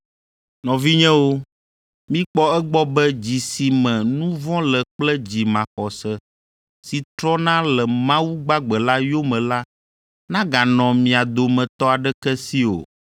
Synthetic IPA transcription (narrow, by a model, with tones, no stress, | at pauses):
nɔ̃˨vi˦ɲɛ̃˦wo˦ | mĩ˦k͡pɔ˦ɛ˦ɡ͡bɔ˦bɛ˦d͡ʑi˨si˨mɛ̃˨nũ˦vɔ̃˦lɛ˨k͡plɛ˦d͡ʑi˨mã˨xɔ˨sɛ˦ | si˨t̪ɾɔ˦nã˦lɛ˨mã˦wu˦ɡ͡ba˦ɡ͡bɛ˨la˦jo˦mɛ̃˨la˦ | nã˦ɡa˨nɔ̃˨mĩ˨a˨d̪o˨mɛ̃˨t̪ɔ˦a˨ɖɛ˦kɛ˦si˦o̰˨